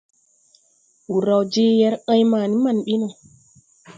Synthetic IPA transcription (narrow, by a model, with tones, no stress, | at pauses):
wu˨ɾa˨wd͡ʒe˦jɛ˦ɾə̃˦jmaː˨ni˦ma˦˨nɓi˦nɔ˨